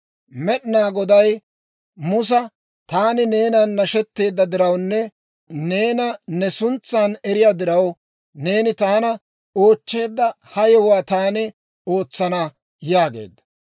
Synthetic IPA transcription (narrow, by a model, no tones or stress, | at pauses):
mɛɗnaːɡɔd̪ɐj | mʊs̬ɐ | t̪aːnɪne̞ːnɐnːɐʃɛt̪ːe̞ːd̪ːɐd̪ɪɾɐwnːɛ | ne̞ːnɐnɛsʊnt͡sːanɛɾɪjaːd̪ɪɾɐw | ne̞ːnɪt̪aːnɐ | o̞ːt͡ʃːe̞ːd̪ːɐ | hɐjɔwaːt̪aːnɪ | o̞ːt͡sːɐnɐ | jaːɡe̞̰ːd̪ːɐ̥